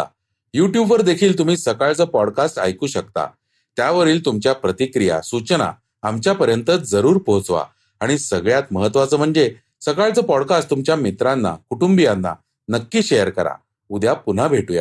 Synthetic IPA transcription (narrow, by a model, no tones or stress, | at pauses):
juʈjubʋəɾd̪ekʰiːlt̪um̤iːsəkaɭt͡səːpɔɽkasʈa̰jkuːɕəkt̪a̰ | t̪jaʋəɾiːlt̪umt͡ɕjapɾət̪ikɾija̰sut͡ɕna̰ | amt͡ɕjapəɾjənt̪əd͡zəɾuːɾpəɦot͡sʋa̰ | aɽ̃isəɡɭjat̪̚məɦət̪ːʋat͡səːm̤əɳd͡ze | səkaɭt͡səːpɔɽkast̪umt͡ɕjamit̪ɾanːa̰kuʈumbijanːa̰ | nəkːiːɕejəɾkəɾa̰ | ud̪japun̤abʱeʈuja̰